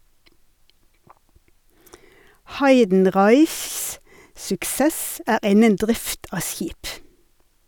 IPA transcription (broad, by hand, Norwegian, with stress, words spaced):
ˈhɑɪdn̩ˌʁɑɪçs sʊkˈseːs ə ˈæːʁ ˈɪnən ˈdʁɪft ˈɑː ˈsjiːp